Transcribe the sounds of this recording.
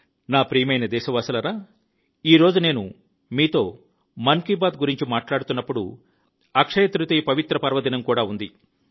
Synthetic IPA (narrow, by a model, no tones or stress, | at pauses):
naːpɾiːjɐmɐjnɐd̪ɛːʃɐʋaːsɐlɐɾaː | iːɾo̞ːd͡ʒune̞ːnu | miːt̪o̞ː | mɐŋkibaːd̪ɡuɾiɲt͡ʃimaːʈlaːɽut̪unːɐpːuɽṵ | ɐkʂɐjɐt̪ɾut̪iːpɐʋit̪ɾɐpɐɾʋɐd̪inɐmkuːɽaːund̪i